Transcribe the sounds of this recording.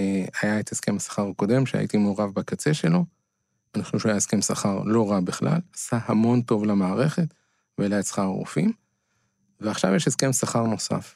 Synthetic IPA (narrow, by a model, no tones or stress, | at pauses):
ajaet̪heske̞masḁχaʁako̞de̞mʃea̰ḭt̪imeoʁavbakat͡se̞ʃe̞lo̞ | anaχnuʃajahske̞msaχaʁlo̞ʁabiχla̰lasahamo̞nto̞vlamaːʁe̞χe̞t | velaesḁχaʁo̰fim | veaχʃa̰vjeʃeske̞msaχaʁno̞sa̰f